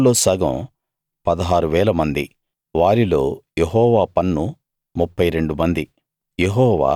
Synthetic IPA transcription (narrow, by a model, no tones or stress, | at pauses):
lo̞ːsɐːɡɐ̰̃m | pɐd̪ɐɦaːɾuʋɛːlɐmɐnd̪i | ʋaːɾilo̞ːjeɦɔːʋaːpɐnːu | mupːɐjɾe̞ɳɖumɐnd̪i | jeɦɔːʋa̰ː